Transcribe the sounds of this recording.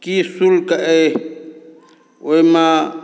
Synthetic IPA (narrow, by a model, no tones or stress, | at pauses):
kisulkaʔɛ | ojma